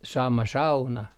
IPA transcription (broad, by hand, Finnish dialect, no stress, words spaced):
sɑmɑ sɑunɑ